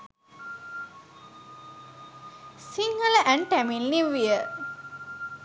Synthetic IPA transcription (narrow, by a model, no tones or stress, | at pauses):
siŋɡələʔæɳʈæmilniʋijə